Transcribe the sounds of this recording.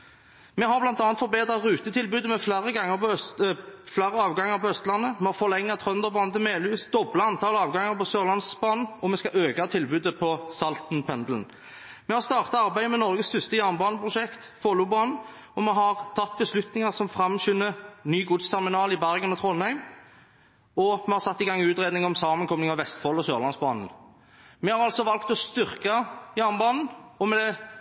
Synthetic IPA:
mɛɦɑʁblɑnt̪ɑːnt̪fɔɾbeːd̪ʁɑtʁʉːt̪ət̪ʰɪlbʉːd̪əmɛflæːɾəɡɑŋːəpɔœ | flæːɾəɑːʋɡɑŋːəɾpʰɔœst̪lɑnːəmɛhɑfɔʁlɛŋːɑt̪ʰʁœnd̪əʁbɑːnət̪ʰɪlmeːlʉːsd̪ɔblɑɑnt̪ʰɑːləɑːʋɡɑŋːəʁpɔsøːʁlɑnsbɑːnn̩ɔmɛskɑʔøːɡɑt̪ʰɪlbʉːd̪əpʰɔsɑlt̪n̩pʰɛnd̪l̩n̩ | mɛhɑʁst̪ɑːʁt̪ɑɑʁbæɪəmɛnɔʁɡəst̪ʰʉst̪əjæʁnbɑːnəpʰʁʊʃɛkt̪foːlʊbɑːnn̩ | ɔmɛɦɑʁt̪ʰɑt̪̚ːbəslʉt̪nɪŋɑʁsɔmfɾɑmɕʏnːənyːɡʊd̪st̪ʰæʁmɪnɑːlɪbæɾɡənɔt̪ʰʁɔlhæɪm | ɔmɛhɑɾsɑt̪ːɪɡɑŋːʉːt̪ʁeːd̪nɪŋɔmsɑːmənkʰɔmlɪŋɑʋɛst̪fɔlɔsøːʁlɑnsbɑ̰ːnn̩ | mɛhɑɾʁɑlsɔʋɑlkt̪ɔst̪ʏʁkɑjæːʁnbɑːnn̩ɔmɛd̪ɛ

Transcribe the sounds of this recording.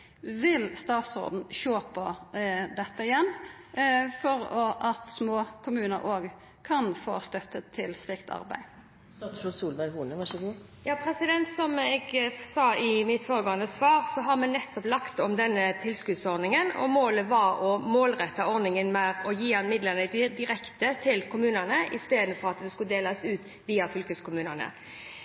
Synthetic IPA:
ʋɪlst̪ɑːt̪sʁo̰ːd̪n̩ʃoːpʰɔd̪ɛt̪ːəɪjɛnː | fɔɾɔʔɑt̪smoːkʰʊmʉːnə̰ɾʔoːɡ | kʰɑnfo̰ːst̪œt̪ːət̪ʰːɪlst̪ɪkt̪ʰɑ̰ɾbæ̰ɪ | suːlʋæɪhuːnəʋɑʃɡ | jɑːpʰɾɛsɪd̪ɛnt̪sɔmɛɡsɑːɪmɪt̪foːɾəɡoːənəsʋɑːʁsɔɦɑʁmɛnnɛt̪ːɔplɑkt̪ɔmd̪ɛnːət̪ʰɪlskʉd̪sɔɾd̪nɪŋənɔ̰moːləʋɑɾɔmoːlʁɛt̪ːɑɔɾd̪ɪŋənmɛʁɔjiːɑnmɪd̪lənəd̪ɪɾɛkt̪ət̪ʰɪlkʰʊmʉːnənəʔɪst̪eːd̪n̩fɔɾɑt̪d̪ɛskʉd̪eːləsʉːt̪ | ʋiːɑfʏlkəskʰʊmʉːnənə̰

